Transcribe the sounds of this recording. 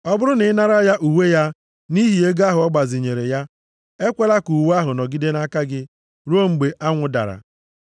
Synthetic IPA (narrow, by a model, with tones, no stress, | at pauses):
ɔ˦bʊ˦ɾʊ˦nɪ˨˦na˦ɾa˦ja˦ʔu˨we˦ja˦ | ni˦ɦi˨e˦ɡa˦ɦʊ˨ɔ˦ɡ͡ba˨zɪ˨ɲe˨ɾe˨ja˦ | e˦kʷe˦la˦ku˨wa˦ɦʊ˨nɔ˨ɡi˦de˦na˦ka˦ɡɪ˦ | ɾu˦o˦ŋ͡m̩˨ɡ͡be˨ʔa˦ŋʷʊ˨da̰˨ɾa̰˨